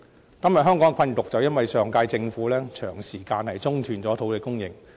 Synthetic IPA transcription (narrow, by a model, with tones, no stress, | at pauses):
kɐ˥mjɐ˨t̚ɦœː˥ŋkɔː˨˥ŋkʰɐ˧nt̪ʊ˨k̚t͡sɐ˨wjɐ˥nwɐ˨jsœː˨˩ŋkaː˧jt͡sɪ˧ŋfuː˨˥lɛː˥t͡ʃʰœː˨˩ŋsiː˨˩kaː˧nhɐ˨jt͡sʊ˥ŋt̪ʰyː˨˩nt͡sɔː˨˥t̪ʰo˨˥wkɛː˧kʊ˥ŋjɪ˨ŋ